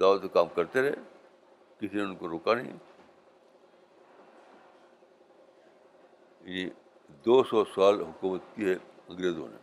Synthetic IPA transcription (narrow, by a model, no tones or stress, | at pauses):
d̪aːʋət̪sekaːmkɐɾt̪eɾɛ̰ː | kɪsineʊ̃nkoɾoːkanḭ̃ | jɐni | d̪oːsɔsaːlɦʊkuːmət̪kiɦɛɐ̃ŋɡɾeːzõ̰ːnḛ